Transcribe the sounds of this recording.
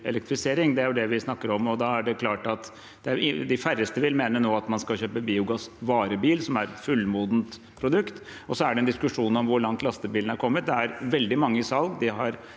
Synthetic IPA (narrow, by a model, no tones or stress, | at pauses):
ɛ̰lɛk̚t̪ɾɪfɪseːɾɪŋd̪ɛæɾjʊd̪ɛʋɪsnɑkːəɾɔmɔd̪ɑæɖɛkʰlɑːʈɑt̪ | d̪̥ɛæɪd̪ɪfærəst̪əʋɪlmeːnənoːɑt̪mɑnskɑlçøːpəbiːʊɡɑsʋɑːɾəbiːlsɔmæɾɛt̪fʉlːmuːd̪nt̪ | pʰɾʊd̪ʉkt̪ | ɔsɔæɖɛnd̪ɪskʉʂuːnɔmʋʊɾɭɑŋt̪lɑst̪əbiːln̩æɾkʰɔmːət̪̚d̪ɛæɾʋɛld̪ɪmɑŋːəsɑlɡd̪ɪɦɑɾ